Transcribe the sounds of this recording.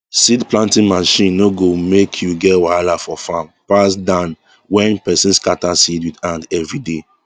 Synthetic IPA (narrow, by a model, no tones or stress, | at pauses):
sidplãntĩnmaʃĩnːoɡomekʰjuɡɛtwaalafɔfãmpasdãn | wɛ̃npɛsĩnskatasidwidãndɛvɹide